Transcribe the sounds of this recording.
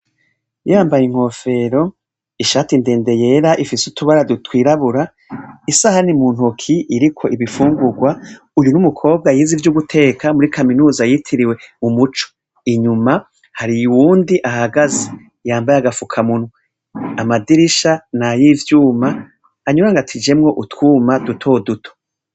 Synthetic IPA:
jaːmbajiŋ̥ho̞fe̞ɾo̞ | iʃaːtinde̞ːnde̞je̞ːɾaʔifisutuβaɾadutwiːɾaβuɾa | isahanimuːn̥hukʰiʔːɾikʰo̞iβifuːŋɡuɡwa | ujunumukʰo̞ːb̚ɡajiːzivjuɡutʰe̞ːkʰamuɾikʰaminuːzajitʰiɾiwe̞mumut͡ʃo̥ | iɲuma | haɾiuwuːndiʔahaɡazi | jaːmbajaɡafukʰamun̥hu | amadiɾiʃanajivjuːmaː | ɲuɾaŋɡatʰid͡ʒe̞mŋo̞ʔutkuːmadutʰo̞dutʰo̥

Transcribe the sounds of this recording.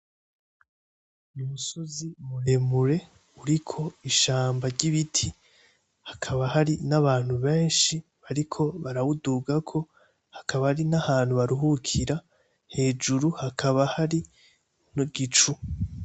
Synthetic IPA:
umusozimuɾe̞muɾe̞ | uɾikʰo̞iʃaːmbaɾɟiβitʰi | hḁkʰaβahaɾinaβaːn̥huβe̞ːnʃi | βaɾikʰo̞βaɾawuduɡakʰo̞ | hḁkʰaβahaɾinahaːn̥huβaɾuɦukʰiɾa | he̞ːd͡ʒuɾuhakʰaβahaɾi | noɡit͡ʃu

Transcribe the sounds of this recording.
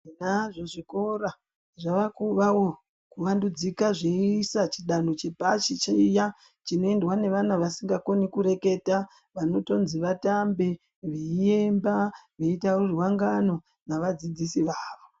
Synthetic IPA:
inaʐo̞ʐiko̞ra | ʐaʋakuʋawo | kuʋandud͡zikaʐeisat͡ʃiɗanot͡ʃebʱat͡ʃit͡ʃija | t͡ʃino̞e̞ndwane̞ʋanaʋasiŋɡako̞nikuɾe̞ke̞ta | ʋano̞to̞nziʋatambe | ʋeijembaʋeitawoʐiwaŋɡano̞ | naʋad͡zid͡zisiʋaːʋo

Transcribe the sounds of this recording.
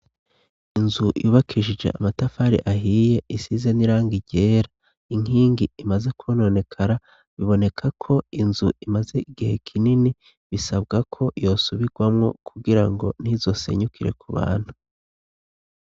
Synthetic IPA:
inzujuːβakʰiʒiʒe̞̰ʔamatafaɾḭʔaɦiːje̞isizeniɾaːŋɡiɟe̞ːɾa | iŋ̥iːŋɡiimaze̞kʰːno̞ne̞kʰaɾa | βiβo̞ne̞kʰakʰo̞inzuimaze̞ʔiɡihe̞kʰinini | βisabɡakʰo̞jo̞ːsuβiɡwamŋo̞kʰuɡiɾaŋɡo̞̰n̥izo̞se̞̰ɲukiɾe̞̰kʰuβa̰ːn̥hu

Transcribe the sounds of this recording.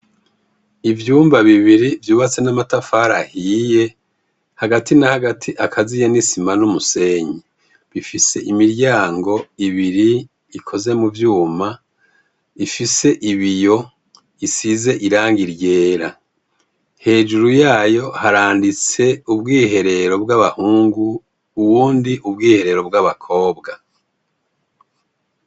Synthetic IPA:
ivjuːmbaβiβiɾivjuːβat͡se̞namatafaːɾahiːje̞ | haɡatinahaɡatʰiʔakʰazijenisimanumuse̞ɲe | βifise̞ʔimiɾɟaːŋɡo̞iβiɾiː | kʰo̞ze̞muvjuːma | ifise̞ʔiβijo̞ | isize̞ʔiɾaːŋɡiɾje̞ːɾa | he̞ːd͡ʒuɾujaːjo̞haɾaːndit͡se̞ubɡiːɦe̞ɾe̞ɾo̞bɡaβahuːŋɡuː | wuːndiʔubɡiːhe̞ɾe̞ɾo̞b̚ɡaβakʰo̞ːbɡa

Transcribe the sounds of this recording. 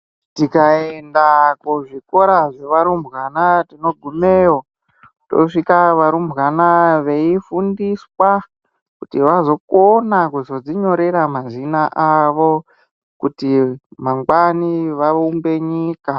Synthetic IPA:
tikaendakuʐiko̞ɾaʐe̞ʋaɾumbɣanatino̞ɡʱumeːo | to̰ʂikaʋaɾumbɣanaʋe̞ifundiswa | kutiʋazo̞konakuzo̞d͡ziɲo̞ɾe̞ɾamazinaʔaʋo̞ | kutimaŋɡwaniʋaumbe̞ɲiːka

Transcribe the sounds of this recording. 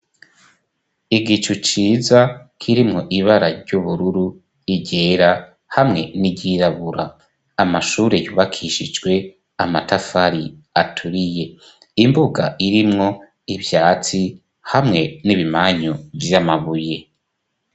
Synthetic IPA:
iɡit͡ʃut͡ʃiːzakʰiɾimŋo̞ʔiβaɾaɾɟuβuɾuɾu | iɟe̞ːɾa | hamŋe̞niɟiɾaβuɾaː | maʃuːɾe̞juːβakʰiʃid͡ʒɡwe̞ | amatafaɾi | atʰuɾije̞ | imbuɡa̰ʔiɾimŋo̞ | ivjaːt͡si | hamŋe̞niβimaɲovjamaβuje̞

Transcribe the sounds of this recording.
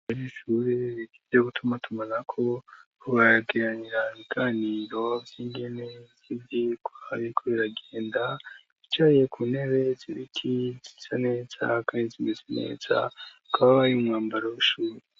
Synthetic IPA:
aɾiʃuɾeɾiɡivzeɡutʰumatumanakʰo̞ | uβaɡeɾaɲiɾaβiɡ̥aːniːɾo̞̥iːŋɡe̞ne̞z̥iβikuaβikʰoɾeɾaɡeːnda | it͡ʃajijekʰuːne̞βe̞ziɾikʰizi̥zane̞ːz̥a̰kaizinizine̞̰ːz̥a̰ukʰaβaβajumŋaːmbaɾawuʃuːɾe

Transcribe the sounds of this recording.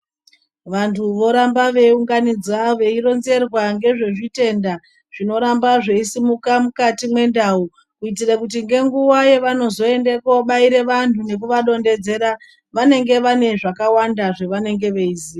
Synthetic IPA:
ʋantʰuʋo̞ɾambaʋe̞uŋɡanid͡zaʋe̞iɾo̞nze̞rwaŋɡe̞ʐe̞ʐite̞nda | ʐ̥ino̞ɾambaʐeisimukamukatimwe̞ndau | kuitirakut̬iŋɡe̞ŋɡuwajeʋano̞zo̞e̞ndekoɓaiɾe̞ʋantune̞k̬uʋaɗo̞nde̞d͡ze̞ɾa | ʋane̞ŋɡe̞ʋane̞ʐakawandaʐe̞ʋane̞ŋɡe̞ʋe̞iziːa

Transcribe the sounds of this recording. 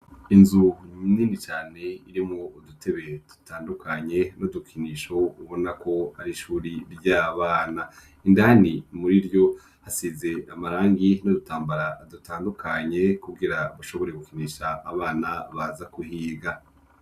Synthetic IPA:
inzuniːnit͡ʃaːne̞iɾimŋoudutʰe̞βe̞d̥u̥taːndukʰaɲe̞nodukʰiniːʃo̞uβo̞nakʰo̞aɾiʃuːɾiɾɟaːβaːna | indanimuɾiɾjo̞ | hasize̞amaɾaːŋɡinodutaːmbaɾadutaːndukʰaɲe̞kuɡiɾaβaʃo̞βo̞ɾeɡukiniːʃaːβaːnaβazakuhiːɡa

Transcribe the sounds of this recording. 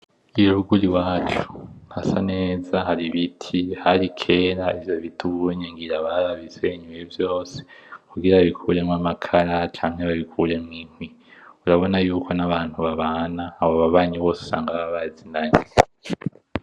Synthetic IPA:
iɾuɡuɾiwaːt͡ʃu̥hasane̞ːzaɦaɾiβitʰihaɾikʰe̞ːɾaivjo̞βitʰuβueɲeŋɡiɾaβaβaβizeiɲujivjo̞ːse̥kuɡiɾaβaβikʰuːɾe̞mŋamakʰaɾat͡ʃaːŋ̥heβaβikʰuɾe̞mŋiːn̥wi | uɾaβo̞najuːkʰo̞naβaːn̥huβaβaːnaːβoβaβaːɲiβo̞ːsu̥sa̰ːŋɡaβaβaːzinaɲi

